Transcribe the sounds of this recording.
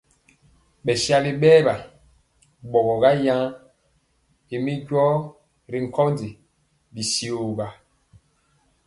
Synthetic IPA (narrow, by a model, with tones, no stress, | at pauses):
ɓɛ˨sja˦li˦ɓɛː˦ɓa˨ | ɓɔ˨ɡɔ˨ɡa˦jã˦ | i˨mi˦ɟɔː˦ | ɾi˨ŋ̩˨kɔ˦ndi˨ | bi˨si˨o˨ba˨